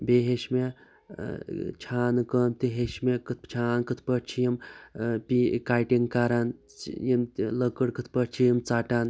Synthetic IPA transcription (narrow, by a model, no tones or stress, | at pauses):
beɦeʃme | t͡ʃʰaːnkəmt̪iɦeʃmekɨt̪̚ʰt͡ʃʰaːnkɨt̪ʰpəʈt͡ʃʰijimpikaːjʈiŋɡkaːɾanjimləkəɽkɨt̪ʰpəʈt͡ʃʰijimt͡saːʈaːn